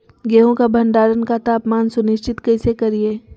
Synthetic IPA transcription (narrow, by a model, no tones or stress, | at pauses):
ɡeːɦõkabʱɐɳɖaːɾənkat̪aːpmaːnsʊnɪʃt͡ʃɪt̪kɐɪsekɐɾieː